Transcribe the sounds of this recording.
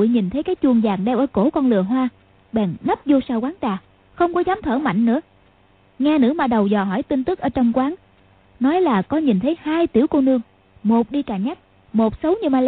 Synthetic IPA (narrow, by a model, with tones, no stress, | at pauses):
jɲi˨˩nt̪ʰə˨˦jkaː˨˦jt͡ɕu˧˩əŋzaː˨˩ŋɗɛ˧wʔəː˧˩ko˧˩kɔ˧nlɨ̰˨˩əɦwaː˧ | ɓɛ̰ː˧˨˩ŋnə˦˥p̚zo˧saː˧wkwaː˨˦ŋt͡ɕaː˨˩ | xə˧wŋ͡mkɔ˨˦zaː˨˦mt̪ʰəː˧˩ma̰˧˨jŋ̟nɨ̰˧˥ə | ŋɛː˧nɨ̰˧˥maː˧˩ɗə˨˩wzɔ˨˩ɦɔ˧˩jt̪i˧nt̪ɨ˦˥k̚ʔəː˧˩˦t͡ɕɔ˧wŋ͡mkwaː˨˦ŋ | nɔ˨˦jlaː˨˩kɔ˨˦ɲi˨˩nt̪ʰə˨˦jhaː˧jt̪ḭ˧˩əwko˧nɨ˧əŋ | mo˨˩t̚ɗi˧kaː˨˩ɲa˦˥k̚ | mo˨˩t̚sə˨˦wɲɨ˧ma˧l